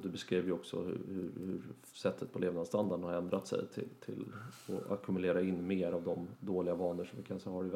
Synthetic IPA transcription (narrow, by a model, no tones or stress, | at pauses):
d̪ɛbɛskɾiːvjɪɔksɔ̰hɵ̰hɵ̰ɾhɵɾ | sɛt̪ʰːət̪̚pʰɔleːvnad̪st̪and̪aɖɳhaɾɛnd̪ɾat̪sɛ̰jt̪ʰɪ̰t̪ʰɪ̰lɔa̰kʰɵmɵleːɾaɪnːmeːɾavd̪ɔmd̪oːlɪɡavɑːnəʂɔmvɪkʰansɛhɔɾɪɡ